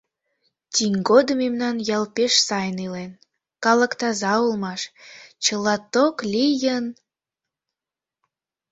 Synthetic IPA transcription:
t̪ʲiŋɡod̪əmemnɑnjɑlpeʃsɑjnilen | kɑlə̆kt̪ɑzɑulmɑʃt͡ɕəlɑt̪oklʲijən

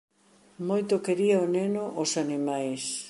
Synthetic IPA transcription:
mojt̪ʊkeɾiɐonenʊʔosanimajs

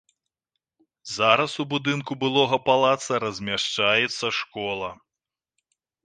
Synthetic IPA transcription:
zaɾɐsubud̪ɨnkubɨlˠɔɣɐpalˠat̪sɐɾɐzʲmʲaʂt͡ʂajɛt̪sːɐʂkɔlˠɐ

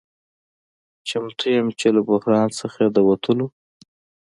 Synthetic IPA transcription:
t͡ʃamt̪ʰujamt͡ʃelabʊhɾɑnsəxad̪əwat̪ʰəlo

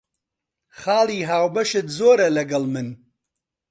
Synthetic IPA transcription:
χɑːlˠiːɦaːwbɐʃɨt̪zoːɾɐlɐɡɐlmɨn

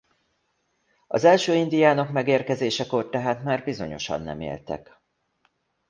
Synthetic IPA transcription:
ɒzɛlʃøːind̪ijaːnokmɛɡeːrkɛzeːʃɛkort̪ɛɦaːt̪maːrbizo̞̰ɲo̞̰ʃɒ̰nːɛ̰mḛːlt̪ɛ̰k

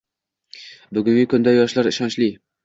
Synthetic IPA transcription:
bʊɡʲʊŋɡʲɪkʰʊnd̪ajɒʃlaɾɪʃɒnʃlɪ

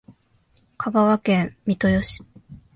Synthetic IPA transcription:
kʰaɡaβakẽ̞mmʲit̪o̞jo̞ɕi̥

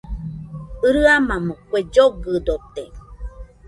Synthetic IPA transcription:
ɯɾɯamãməkʷed͡ʒoɡɨd̪ot̪e

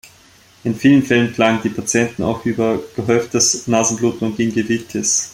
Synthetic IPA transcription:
ʔɪnfiːlənfɛlənkl̥aŋəndiːpʰat͡sjɛntn̩a̰ʊxʔyːbɐɡ̥əɦœʏftd̥ɛsnaːzn̩bluːtn̩ʊntɡ̥inɡevitʰəs

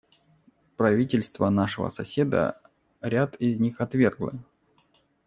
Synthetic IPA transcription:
pɾɐvʲitʲɪlʲst̪vənaʂɨvə̰sɐsʲed̪ə̰ | ɾʲat̪ɪzʲnʲixɐt̪vʲerɡlˠə̰

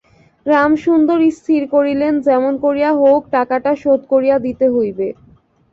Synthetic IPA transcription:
ɾamʃund̪oɾist̪ʰiɾkoɾilend͡ʑɛmonkoɾijaɦok̚ʈakaʈaʃod̪koɾijad̪it̪eɦojbe

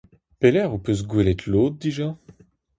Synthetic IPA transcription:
pelɛʁupøs̬ɡwelɛt̪ʰloːt̪̚d̪iʒa

